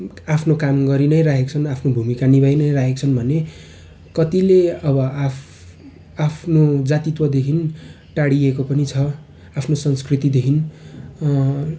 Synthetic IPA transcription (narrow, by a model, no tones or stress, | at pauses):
apʰnokamɡʌɾinʌjɾaɦʰekt͡sʰʌnapʰnobʱumikanibajnʌjraɦʰek̚t͡sʰʌnbʱʌne | kʌt̪ileʌbʌa | apʰnod͡zat̪it̪wʌd̪ekʰin | ʈaɽiekopʌnit͡sʰʌ | apʰnosʌnskrit̪id̪ekʰin